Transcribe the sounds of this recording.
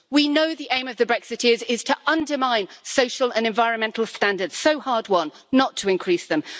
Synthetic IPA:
winoʊðiʔẽɪ̃məvðəbɹɛksɪtʰɪzɪz̥tʰəʔʌ̃ndəmãɪ̃nsoʊʃəlˠə̃nɛ̃ɱvaɪɹə̃nmɛ̃ntˡl̩ˠstãndədz̥soʊhɑːd̚wʌ̃nːətʰəɪ̃nkʰɹ̥iˑsðə̃m

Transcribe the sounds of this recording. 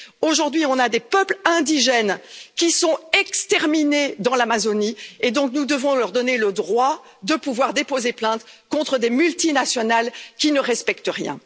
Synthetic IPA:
oʒuʁd̪ɥiɔ̃nad̪epœplɛ̃d̪iʒɛnkʲisɔ̃ɛkst̪ɛʁmined̪ɑ̃lamazonied̪ɔ̃k̚nud̪əvɔ̃lœʁd̪ɔneləd̪ʁwa | d̪əpuvwaʁd̪epozeplɛ̃t̪kɔ̃t̪χəd̪emylt̪inasjɔnalkʲinəʁɛspɛkt̪əʁjɛ̰̃

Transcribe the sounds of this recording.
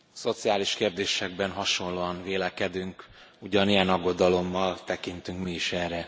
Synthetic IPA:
so̞t̪sijaːliʃkeːrd̪eːʃɛɡ̚bɛnɦɒʃo̞nloːɒnveːlɛkɛd̪yŋkuɟɒnijɛnɒɡːo̞d̪ɒlo̞mːɒlt̪ɛkint̪yŋkmiːʃɛːrɛ

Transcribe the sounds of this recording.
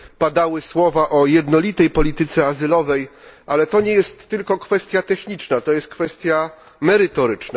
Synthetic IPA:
pad̪awɘswɔvaʔɔjɛd̪nɔlʲit̪ɛjpɔlʲit̪ɘt̪sɛazɘlɔvɛjʔalɛt̪ɔɲɛjɛst̪ːɘlkɔkfɛst̪ʲjat̪ɛxɲit͡ʂnat̪ɔjɛst̪̚kfɛst̪ʲja | mɛɾɘt̪ɔɾɘt͡ʂna

